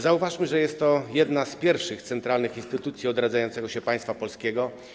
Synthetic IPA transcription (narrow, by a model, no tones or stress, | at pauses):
zauvaʂmɘʐɛjɛst̪ːɔjɛd̪naspʲjɛɾfʂɘxt̪sɛnt̪ɾalnɘxinst̪ɘt̪ut̪sʲjiɔd̪ɾad̪zajɔnsɛɡɔɕɛpaj̃st̪fapɔlskʲɛɡɔ